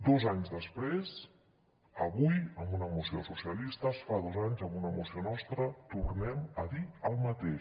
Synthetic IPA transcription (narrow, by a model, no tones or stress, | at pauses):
d̪ɔzaɲzðəspɾes | əβujəmbunəmusio̰susiəlist̪əsfaðozaɲzəmbunəmusionɔst̪ɾət̪urnɛməðiəlˠmət̪e